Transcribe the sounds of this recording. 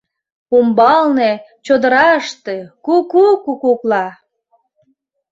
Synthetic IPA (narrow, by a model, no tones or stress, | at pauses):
umbɑlnet͡ɕod̪əɾɑəʃt̪ekukukukuklɑ